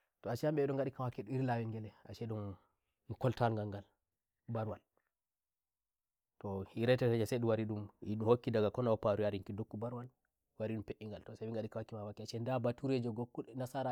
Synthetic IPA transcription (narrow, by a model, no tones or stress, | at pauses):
tɔat͡ʃɛjamɓɛɗɔŋɡaɗikawakːɛɗuiɾlawɛŋɡɛlɛa̰t͡ʃɛɗum | kɔltalŋɡaŋɡal | baɾwal | tɔhiɾɛtɛɛd͡ʒasɛɗuwaɾiɗumiɗuhokːidaɡakɔnawɔpaɾuaɾiŋkidokːubaɾwal | waɾiɗumpeʔiŋɡaltɔsabiŋɡaɗikawakːimawakːɛat͡ʃɛndabatuɾed͡ʒɔɡɔkːunasaɾa